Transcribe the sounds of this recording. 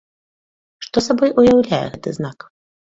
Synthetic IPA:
ʂt̪ɔsabɔjujawlʲajɛ̰ɣɛt̪ɨ̰znak

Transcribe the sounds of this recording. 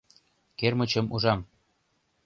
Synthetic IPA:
kermə̆t͡ɕə̆muʒɑm

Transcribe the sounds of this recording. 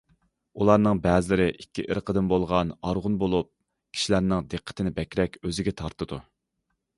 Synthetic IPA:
ulˠɑɾnɨŋbɛːzɪlɪɾɪʔikʲːiʔəɾqʰəd̪ɪnbolˠʁɑnɑɾʁʊnbolˠup̚ | kʲʰi̥ʃilæɾnɪŋd̪eqʰːə̥t̪ʰɪnɪbɛkʲɾɛkʲøzɪɡʲɛt̪ʰɑɾt̪ʰɨd̪u

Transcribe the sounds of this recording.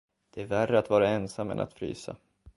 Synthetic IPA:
d̪̥ɛæɾværːəat̪vɑːɾaɛnsamːɛ̰nʔa̰t̪fɾy̰ːsa̰

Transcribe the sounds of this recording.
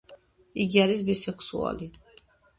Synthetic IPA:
iɡiaɾis̬bisɛkʰsua̰li

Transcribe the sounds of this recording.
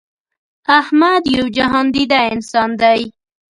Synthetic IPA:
ahmad̪jawd͡ʒaɦɑnd̪id̪aɪnsɑnd̪aj

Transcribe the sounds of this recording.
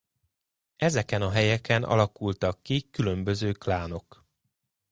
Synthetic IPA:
ɛzɛkɛnɒɦɛjɛkɛnʔɒ̰lɒkult̪ɒkːikylø̞mbø̞zøːklaːno̞k

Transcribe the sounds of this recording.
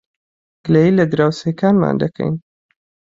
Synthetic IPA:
ɡ̥lejilɐd̪ɾaːwsekaːnma̰ːnd̪ɐkʰɛ̰jn

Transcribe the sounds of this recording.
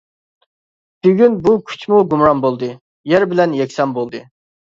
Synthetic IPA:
b̥yɡʲynbukʲʰy̥t͡ʃʰmuɡumɾɑnbolˠd̪ɨ | jæɾbɪlɛnjɛkʲsɛmbolˠd̪ɨ

